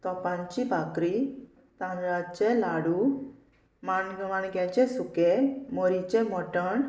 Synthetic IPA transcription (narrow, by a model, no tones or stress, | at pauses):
t̪ɔpãɲt͡ɕibʱakɾi | t̪ãnɾat͡ɕɛ̃laɽu | maɳɡəmaɳɡjat͡ɕɛsukelmoɾit͡ɕɛ̃mɔʈəɳ